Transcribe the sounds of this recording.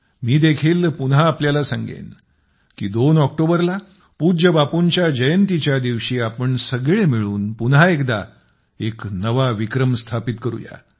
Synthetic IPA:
miːd̪ekʰiːlpunɦaːpljalasãŋɡḛn | kiːd̪onɔk̚ʈobəɾla | pud͡ʑəbapuɲt͡ɕjad͡ʑəjənt̪it͡ɕjad̪iʋɕiːapəɳsəɡɭemiɭuːnpunɦaekd̪a | eknəʋaʋikɾəmst̪ʰapit̪kəɾṵja̰

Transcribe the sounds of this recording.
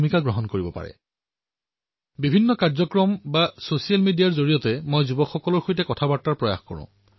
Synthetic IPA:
mikaɡɹɔɦɔnkoɹibɔpa̰ɹɛ̰ | bibʱinːɔkaɹzɔkɹɔmbasosijalmidijaɹzoɹijɔtɛmojzubɔkxːɔkɔlɔɹxojtɛkɔtʰabatːaɹpɹɔja̰xkɔ̰ɹʊ̰̃

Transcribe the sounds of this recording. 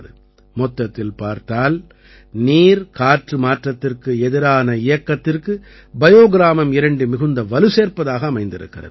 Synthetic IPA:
ðɯ̰ | mɔt̪ːɐt̪ːɪlpaːɾt̪aːl | niːɾkaːʈrɯmaːʈrɐt̪ːɪrkɯɛðɪɾaːnɐɪjɐkːɐt̪ːɪrkɯ | bɐjoːɣɪɾaːmɐmɪɾɐɳɖɯmɪɣɯnd̪ɐʋɐlɯseːɾpɐðaːɣɐːmɐɪnd̪ɪɾɯ̰kːɪ̰rɐ̰ð

